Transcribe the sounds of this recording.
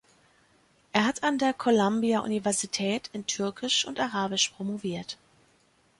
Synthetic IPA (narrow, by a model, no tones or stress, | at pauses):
ʔeːɐɦatʰandeːɐkʰolambiaʔṵnivɛɐzitʰɛːtɪntʰʏɐkʰɪʃʊ̰ntaʁaːbɪʃpʁ̥omoviːɐt